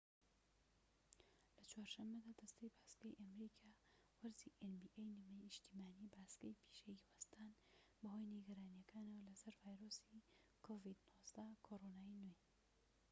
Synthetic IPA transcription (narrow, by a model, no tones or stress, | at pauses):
lɐt͡ʃwaːɾʃɐmːɐd̪aːd̪ɐst̪ejbaːsɡɐjʔɐmɾikʰaː | wɐɾziʔenbiʔejnɨmɐjɪʃt̪imaːnibaːsɡɐjpʰi̥ʃejiwast̪aːnbɐho̞jniɡɐɾaːnijɐkʰaːnɐwɐlɐsɐɾvaːjɾosikʰovid̪nozd̪ɐkʰoɾonaːinwej